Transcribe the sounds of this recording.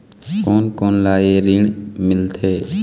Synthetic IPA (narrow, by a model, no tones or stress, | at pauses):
koːnkoːnlaːeɾɪɳmɪlt̪ʰeː